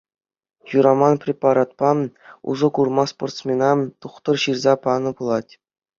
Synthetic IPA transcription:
juɾɑmɑnprʲepɑɾɑt̪̚pɑṵzɤ̆kurmɑsport̪smʲenɑt̪uχt̪ɤ̆rɕirzɑpɑnɤ̆pulˠɑtʲ

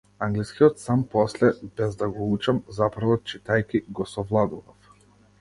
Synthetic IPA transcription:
aŋɡliskiɔt̪sampɔslɛbɛzd̪aɡɔut͡ʃamzapɾvɔt͡ʃit̪ajkiɡɔsɔvlˠad̪uvaf

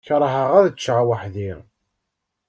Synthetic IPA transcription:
çɾˤəɦəʁæðət͡ʃːʕawəħðiɾ

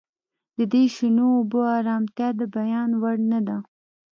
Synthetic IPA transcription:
d̪̥əd̪eʃɪnoʊboaɾɑːmt̪jɑd̪əbajɑnwaɽnad̪a

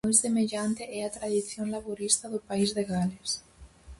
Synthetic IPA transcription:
jsðemeʎant̪eɛat̪ɾaðiθjoŋlaβoɾist̪aðopaizðeɣales

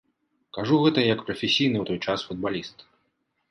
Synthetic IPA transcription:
kaʐuɣɛt̪ɐjɐkpɾɐfʲesʲijnɨwt̪ɔjt͡ʂasfud̪̚balʲist̪

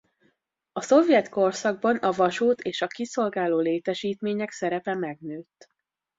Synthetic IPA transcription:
ɒso̞vjɛt̪ko̞rsɒɡ̚bɒnɒvɒʃuːt̪ʰeːʃɒkiso̞lɡaːloːleːt̪ɛʃiːt̪meːɲɛksɛɾɛpɛmɛɡnøːt̪ː

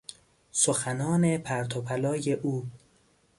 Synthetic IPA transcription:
soxænɒːne̞pʰæɾt̪ʰopʰælɒːjeʔuː

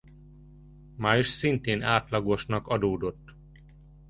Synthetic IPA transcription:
maːjʃsint̪eːnaːt̪lɒɡo̞ʃnɒkɒd̪oːd̪o̞t̪ː

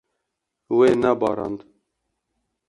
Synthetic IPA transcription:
weːnɛbɑ̰ːɾɑ̰nd̪

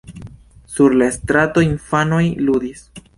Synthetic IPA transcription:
suɾlaest̪ɾato̞infanojlud̪is

